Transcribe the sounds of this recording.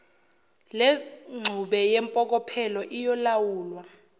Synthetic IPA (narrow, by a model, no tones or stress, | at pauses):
leŋ͡ǀʱuɓɛjɛmpʼɔk̬ɔpʰɛlɔʔijɔlawuːlwa